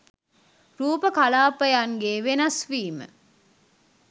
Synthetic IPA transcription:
ɾuːpəkalaːpəjaŋɡeːʋenɐsʋiːmə̰

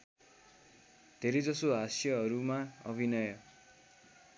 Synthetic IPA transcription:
d̪̥ʱeɾed͡zʌsoɦasjʌɦʌɾumaʌbʱinʌjʌ

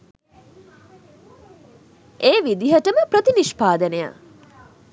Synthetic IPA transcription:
ʔeːʋid̪iɦəʈəməpɾət̪iniʃpaːd̪əneja̰

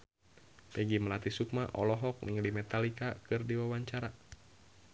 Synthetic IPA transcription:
pɛɡiməlat̪isuk̚maʔɔlɔɦɔk̚nḭŋlimɛt̪alikakɨrdiwawaɲt͡ʃaɾa

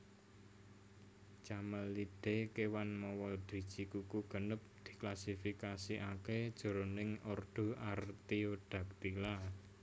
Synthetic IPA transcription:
t͡ʃaməlːid̪̥e̤kewanmɔwɔd̪̥i̤̥ʒ̥ikukuɡ̥ə̤nəp̚d̪̥i̤klasifikasiʔaked̥ʒ̥o̤ɾonɪŋɔrd̪̥o̤art̪ioɖ̪̥a̤k̚t̪ila

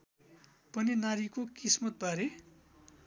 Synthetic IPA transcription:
pʌninaɾikokismʌt̪̚bʱaɾe

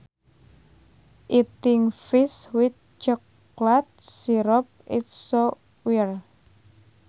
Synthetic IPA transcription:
ʔit̪ɪŋfɪswɪt̪̚t͡ʃək | lat̪̚siɾɔp̚ɪt̪̚sɔ | wir

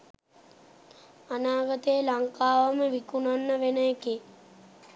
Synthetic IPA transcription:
anaːɡət̪əjəlaŋkaːʋəməʋikunanːəʋenəeki

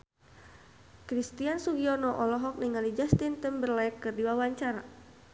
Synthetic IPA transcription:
kɾist̪iansuɡiɔnɔʔɔlɔɦɔk̚niŋalid͡ʒast̪int̪əmbərlaɛkːɨrdiwawaɲt͡ʃaɾa

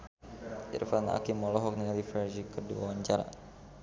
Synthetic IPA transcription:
ʔḭrfana̰kimɔlɔɦɔk̚nilifɛrʒikəduawaɲt͡ʃaɾa̰

